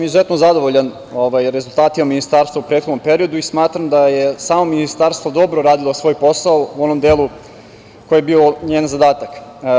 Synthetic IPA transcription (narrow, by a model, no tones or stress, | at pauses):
amizuzet̪nozad̪oʋoʎan | oʋajɾe̞zulˠt̪aːt̪imaminist̪aːɾst̪vaupɾet̪xod̪nompe̞ɾio̞d̪uismaːt̪ɾamd̪ajesaːmominist̪aːɾst̪vod̪o̞bɾoɾaːd̪ilˠosʋo̞ːjpo̞saouo̞nomd̪eːlˠu | kojebioɲeːnzad̪aːt̪ak